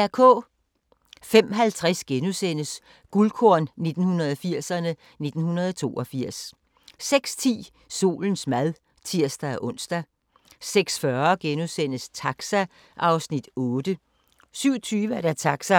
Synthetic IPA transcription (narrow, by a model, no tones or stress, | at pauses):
æɐkʰɔ̰̽ː | fem̰ɦælt͡sʰʁasɡ̥enusen̰əs | ɡ̥ulkʰoɐ̰nne̝d̥n̩hunɐð̞ˠɒfiɐ̰sɐnə | ne̝d̥n̩hunɐð̞ˠɒt͡sʰo̝̰ːɒfiɐ̰sː | eɡ̥st͡sʰḭː | so̝̰ːln̩smæðˠ | t͡sʰiɐ̰sd̥ææʔɔ̽n̰sd̥æ | seɡ̥sfɶɐɡ̥enusen̰əst͡sʰɑ̈ɡ̥sæ | ʔɑ̈ʊsnid̥ɔːd̥ə | syʊt͡sʰyːʋəæɾ̥æt͡sʰɑ̈ɡ̥sæ